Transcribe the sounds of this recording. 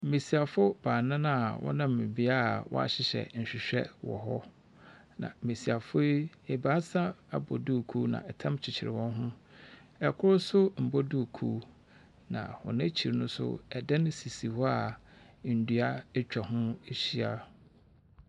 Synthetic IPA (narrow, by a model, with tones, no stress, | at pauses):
m̩˨mẽ˨si˨a˨fʊ˦b̥aː˨nã˦nã˦˨wʔɔ̰˦nã˦m̩˨mɪ̃˨bi˦a˦˨wɔ̰˦a̰˨ɕɪ˨ɕɛ̰˨n̩˨ɕᶣi˨ɕᶣɛ̰˦wɔ̰˨ɦɔ˦ | nã̰˨me˨si˨a˨fʊ˦e˦ | ɛ˨ba˦sa˦a˨bɔ˨du˦˨kʰu˦nã̰˨ɛ˨tʰã˦mt͡ɕʰɪ˨t͡ɕʰɪ˨ɾɪ˨wɔ̃˦nɦʊ̃˦ɛ˨kʰʊ˦ɾʊ˦sʊ˦m̩˨bɔ˦du˦˨kʰu˦ | nã̰˨hɔ̰̃˨nã˦t͡ɕʰi˨ɾnʊ̃˦sʊ̰˦ɛ˨dɛ˦nʊ̃˦si˨si˨hɔ˦a˦˨ | n̩˨dɥa˦ɛ˦t͡ɕᶣa˨ɦʊ̃˦e˦ɕi˦a˨